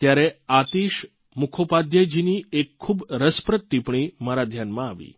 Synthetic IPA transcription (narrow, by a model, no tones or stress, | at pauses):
t̪jaɾeat̪iːɕ | mukʰopad̪jed͡ʑiniːekʰːuːbɾəspɾət̪ːipɳiːmaɾad̪ʱjanmaːʋḭː